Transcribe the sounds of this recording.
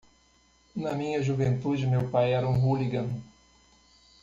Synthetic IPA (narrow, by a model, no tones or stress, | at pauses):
nɐmĩɲɐʒuvẽnt̪ud͡ʒɪmewpajɛɾɐũɦuliɡɐ̃n